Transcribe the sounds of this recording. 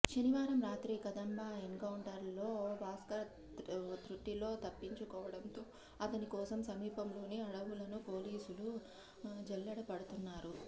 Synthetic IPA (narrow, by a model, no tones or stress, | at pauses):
ʃɐniʋaːɾɐmɾaːt̪ɾikɐd̪ɐmbaːenkɐwɳʈɐɾlo̞ːʋaːskɐɾ | t̪ɾuʈːilo̞ːt̪ɐpːiɲt͡ʃukɔːʋɐɽɐnt̪oː | ɐt̪ɐnikɔːsɐmsɐmiːpɐmlo̞ːniɐɽɐʋulɐnupo̞ːliːsulu | d͡ʒɛlːɐɽɐpɐɽɐt̪unːaːɾu